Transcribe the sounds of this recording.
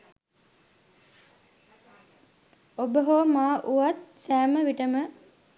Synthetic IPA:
obəɦomaːʔuʋat̪̚sæːməʋiʈəmə

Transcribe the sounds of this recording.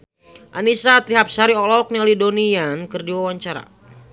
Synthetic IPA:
ʔanisat̪ɾiɦap̚saɾiɔlɔk̚nialidonijankɨrdiwawaɲt͡ʃaɾa̰

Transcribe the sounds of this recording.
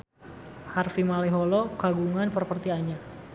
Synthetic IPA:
harfimalɛɦɔlɔkaɡuŋanpərpərt̪ianɲa

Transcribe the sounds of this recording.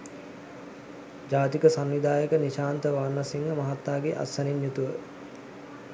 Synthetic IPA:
d͡ʒaːt̪ikəsanʋid̪aːjəkəniʃaːnt̪əʋarnɐsiŋɡəmɐɦat̪naːɡeʔa̰saninjut̪uʋə

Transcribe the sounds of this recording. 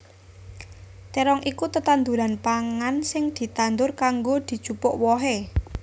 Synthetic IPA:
t̪eɾɔŋʔikut̪ət̪and̪uɾanpaŋansɪŋd̪̥i̤t̪and̪ʊrkaŋɡod̪̥i̤̥t͡ʃupʊʔwɔɦe

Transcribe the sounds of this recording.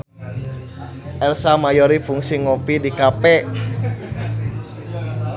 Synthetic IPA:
ʔɛlsamajɔɾifuŋsiŋɔpidikapɛ

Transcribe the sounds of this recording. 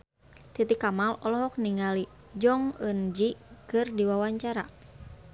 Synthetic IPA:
t̪it̪ikamalɔlɔɦɔk̚niŋali | d͡ʒɔŋənd͡ʒikɨrdiwawaɲt͡ʃaɾa

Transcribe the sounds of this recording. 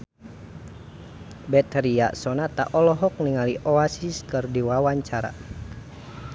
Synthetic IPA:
bɛt̪ɾia̰sɔnat̪a̰ʔɔlɔɦɔk̚niŋaliʔɔasiskɨrdiwawaɲt͡ʃaɾa̰

